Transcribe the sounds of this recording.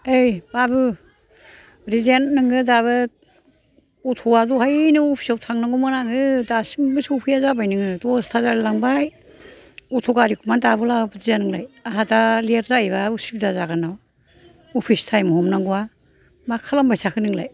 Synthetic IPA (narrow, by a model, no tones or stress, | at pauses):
ejbabɯ | ɾizennɯŋɯdaβɯ | utʰɔwazuhajnɯɔpʰi̥sawtʰaŋnaŋɡɔmanaŋɯdasimbɯsupʰijazabajnɯŋɯdɔstʰazaɾlaŋbaj | utʰɔɡaɾikʰumandabɯlabbdizanɯŋlajaɦadalieɾzajβausib̚dazaɡɯnaw | ɔpʰistʰajmɔhɔmnaŋɡuwa | makʰalambajsʰakʰɯnɯŋlaj